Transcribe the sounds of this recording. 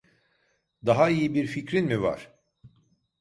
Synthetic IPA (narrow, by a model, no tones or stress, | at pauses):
d̪aɦaijibiɾficɾinmiva̰ɾ̥